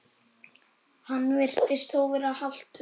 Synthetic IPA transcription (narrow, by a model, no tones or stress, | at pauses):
hanːvɪr̥t̪ɪst̪θoːwvɪɾahal̥t̪